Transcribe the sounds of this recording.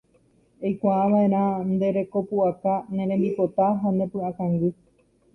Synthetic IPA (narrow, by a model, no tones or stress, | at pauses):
ejkʷaːʋaʔẽ̞ɾ̃ãnd̪e̞ɾe̞ko̞puʔakanẽ̞ɾ̃ẽmbipot̪aɦanẽ̞pɨ̃akãŋɡɨ